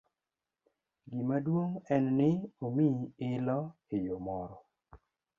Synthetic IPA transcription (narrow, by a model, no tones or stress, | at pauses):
ɡimadwoŋɛnnɪomiɪlɔ | ɪjomɔɾɔ